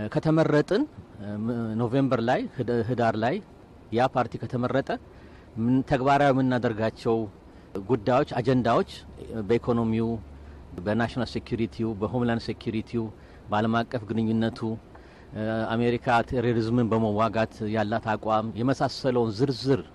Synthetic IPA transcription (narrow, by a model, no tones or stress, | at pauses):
kʰət̪ʰəmərːət̪ʼɨn | no̞ve̞mbəɾlajɦɨd̪aɾlaj | japʰaɾt̪ʰikʰət̪ʰəmərːət̪ʼə | t̪ʰəɡbaɾawimɨnːad̪əɾɡat͡ʃːɛw | ɡud̪ːajo̞t͡ʃːad͡ʒɛnd̪awo̞t͡ʃːbəikʰo̞no̞miu | bənaʃnalse̞kjuɾit̪ʰiubəɦomlandse̞kʰjuɾit̪ʰiu | bəaləmakʼːəfɡɨnɨɲːunːət̪ʰu | ame̞ɾikʰat̪ʰeɾoɾizmɨnbəməwaɡat̪jalːat̪akʼwamjɛməsasələwnzɨɾzɨɾ